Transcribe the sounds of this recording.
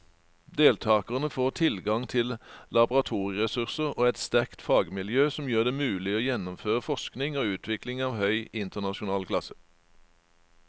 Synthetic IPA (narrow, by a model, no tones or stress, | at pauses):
d̪eːlt̪ʰɑːkəʁnəfoːʁt̪ʰɪlɡɑŋt̪ʰɪllɑbʊʁɑt̪ʰuːʁɪʁɛsʉʁsəʁoːɛt̪st̪æʁkt̪fɑːɡmɪljøːsɔmjøːʁd̪eːmʉːlɪoːjɛnɔmføːʁəfɔsknɪŋoːʉːt̪ʰʋɪklɪŋɑːʋhœʏɪnt̪əʁnɑʃʊnɑːlkʰlɑsə̥